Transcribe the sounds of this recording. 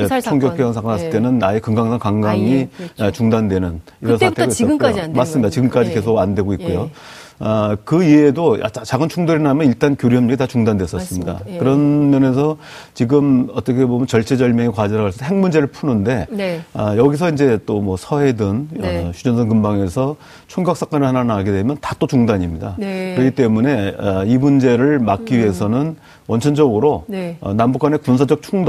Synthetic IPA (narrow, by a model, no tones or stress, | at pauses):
et͡ɕʰoŋɡjʌpʰijansʰaŋkʰʌnɦas͈ɯɭt͈e̞nɯnaekɯŋɡaŋsʰaŋkaŋɡaŋit͡ɕuŋdandwe̞nɯn | iɾʌnsaaŋtʰdoiʌkomas͈ɯmːidat͡ɕiɡɯmk͈ad͡ʑike̞sʰoɡandwe̞ɡoit̚k͈ujo | ʌkɯieːdoa̰t͡ɕat͡ɕaɡɯnt͡ɕʰuŋdoɾenamjʌniɭt͈ankjoɾiɦʌmɲiɡitat͡ɕuŋdandwes͈ʌs͈ɯmmɲida̰kkɯɾʌnmjʌnesʰʌ | t͡ɕiɡɯmʌt͈ʌkʰe̞bomjʌnt͡ɕʌɭt͡ɕ͈ʰe̞d͡ʑʌɭmjʌŋekwad͡ʑʌɾaɡaɭsʌoɦe̞ŋmund͡ʑe̞ɾɯɭpʰunɯnde̞ʌjʌɡis̬ʰʌind͡ʑe̞t͈omwʌsʰʌɦe̞dɯnɕʰud͡ʑʌns̬ʰʌŋk̬ɯmbaŋe̞sʰʌ | t͡ɕʰuŋɡjak̚s͈ak͈anɯɭhananaɡe̞dwemjʌntat͈ot͡ɕuŋdaɲimɲidakɯɾʌkit͈e̞mune̞ʌimund͡ʑe̞ɾɯɭmak͈̚iɥiɦe̞sʰʌnɯn | wʌnt͡ɕʰʌnd͡ʑʌɡɯɾoʌ̰nambukwane̞kunsʰad͡ʑʌk̚t͡ɕʰuŋd